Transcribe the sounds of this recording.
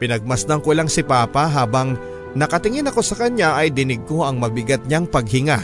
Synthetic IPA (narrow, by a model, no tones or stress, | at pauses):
pɪnɐɡ̚mɐsd̪ɐŋkoʔɪlaŋsɪpaːpɐɦaːbɐŋ | nɐkɐt̪ɪŋɪnɐko̞sɐkɐɲaʔɐjd̪ɪnɪɡ̚ko̞ɐŋmɐbɪɡat̪̚ɲaŋpɐɡ̚hɪŋa